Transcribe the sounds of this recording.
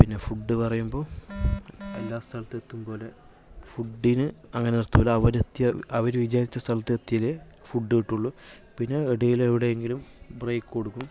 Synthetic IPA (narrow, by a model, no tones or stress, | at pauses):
pinːe̞fuɖːɨpɐrɐjumbo̞ː | ɐlːaːst̪ʰɐlɐt̪ːet̪ːumbo̞ːle̞ | fuɖːinɨɐŋːɐneirt̪ːupolːɐɐʋɐɾet̪ːjɐɐʋɐɾuʋid͡ʑaːɾit͡ɕːɐst̪ʰɐlɐt̪ːiet̪ːjijile | fuɖːɨiʈːuɭːu | pinːe̞iɽɐjileʋiɽejeŋɡilumbreːkːɨko̞ɽukːum